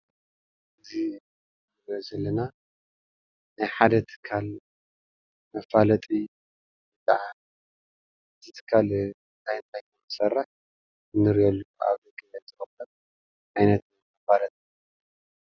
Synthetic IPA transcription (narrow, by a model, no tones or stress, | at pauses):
ʔɨzi | ɾozɐlːɐna | najħad̪ɐt̪ʰɨ̥kʰːal | mɐfalɐt̪ʼi | bɨt̪ʼaʕa | zɨt̪ʰɨ̥kʰːal | ɨnt̪ʰajɨnt̪ʰajkɨmɨsɐrːɐħ | ɨnːɨɾiolːuka̰βd̪ɐkʼijɐt̪ɨxɐbɐt̪̚ | ʕajnɐt̪ʰnmɐfalɐt̪ʼi